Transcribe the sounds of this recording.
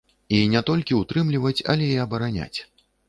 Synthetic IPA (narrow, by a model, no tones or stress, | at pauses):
inʲɛt̪ɔlʲkʲiut̪ɾɨmlʲivɐt͡sʲɐ̰lʲɛiɐbɐɾanʲa̰t͡sʲ